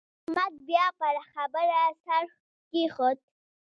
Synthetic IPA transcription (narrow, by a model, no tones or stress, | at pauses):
ʊkmat̪̚bjɑpaɾaxabəɾasaɾ | kixot̪̚